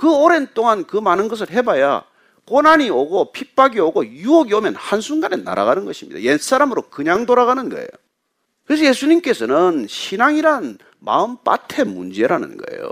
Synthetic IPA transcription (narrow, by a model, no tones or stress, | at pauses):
kɯoɾent͈oŋankɯmanɯnɡʌs̬ʰɯɭɦe̞baja̰ | konaɲioɡopʰip͈ʰaɡioɡojuoɡiomjʌnhansʰuŋɡanena̰ɾa̰ɡanɯnɡʌɕʰimɲḭd̥̪a̰jens͈aɾamɯɾokɯɲaŋtoɾaɣanɯnɡʌ̰ḛjo | kɯɾes̬ʰʌjesʰuɲimk͈e̞sʰʌnɯnɕʰinaŋiɾan | ma̰ɯmp͈a̰tʰe̞mund͡ʑe̞ɾanɯ̰nɡʌ̰ḛjo̰